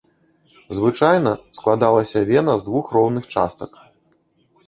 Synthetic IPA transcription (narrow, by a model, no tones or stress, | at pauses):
zvɨt͡ʂajnɐsklˠad̪alˠɐsʲɐvʲɛnɐzd̪vuxrɔwnɨxt͡ʂa̰st̪ɐk